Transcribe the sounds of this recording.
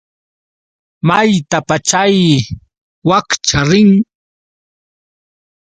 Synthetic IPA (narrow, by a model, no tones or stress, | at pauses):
majt̪apat͡ʃaj | wakt͡ʃaɾɪŋ